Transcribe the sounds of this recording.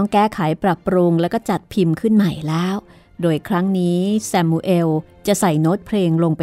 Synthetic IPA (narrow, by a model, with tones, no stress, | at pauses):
ŋkɛː˥˩kʰaː˩˦jpɾa˨˩pːɾu˧ŋlɛː˦˥wkɔː˥˩t͡ɕa˨˩t̪̚pʰi˧mkʰɯ˥˩nma˨˩jlɛː˦˥w | doː˧jkʰɾa˦˥ŋniː˦˥sɛ˧mːuː˧ʔe˧w | t͡ɕa˨˩sa˨˩jno˦˥t̪̚pʰleː˧ŋlo˧ŋpa˧